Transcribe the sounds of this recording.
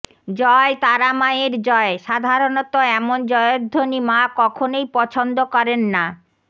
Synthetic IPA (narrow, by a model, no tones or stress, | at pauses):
d͡ʑɔet̪aɾamaeɾd͡ʑɔeʃad̪ʱaɾonot̪oɛmond͡ʑɔeod̪ʱːonimakɔkʰonejpɔt͡ɕʰond̪okɔɾenːa